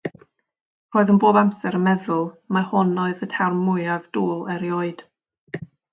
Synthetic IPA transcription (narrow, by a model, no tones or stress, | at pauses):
r̥oːɨðənboːbamsɛɾəmɛðʊlˠmahʊnoɨðətʰɛrmːʊɨavduːlˠəɾjoːɨd̥